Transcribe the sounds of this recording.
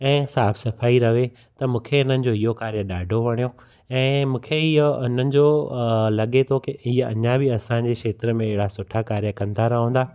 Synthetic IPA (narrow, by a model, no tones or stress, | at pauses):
ɛ̃ːsaːbʰsɐfaːiɾɐʋe | t̪ɐmũːkʰeʊn̤ənɪ̆d͡ʑoːɪɦokaːɾijəɗaːɖʱoʋɐɽ̃ijo | ɛ̃ːmũːkʰeiʊn̤ənɪ̆d͡ʑolɐɠet̪ʰokɪiɐ̰ɲãbɪɐsãɲ̆d͡ʑekʃeːt̪ɾəmẽɪɦɪɽasʊʈʰakaːɾijəkɐ̃nd̪aɾɐɦõːnd̪aː